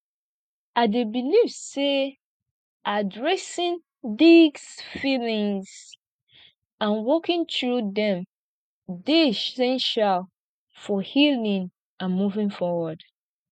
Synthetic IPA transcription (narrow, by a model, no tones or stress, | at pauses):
adebilivse | ʔadɹɛsĩn | diɡsfilĩŋz | ãnwɔkĩntɹudɛ̃m | deʃɛ̃nʃal | fɔhilĩn | ãnmuvĩnfɔwəd̥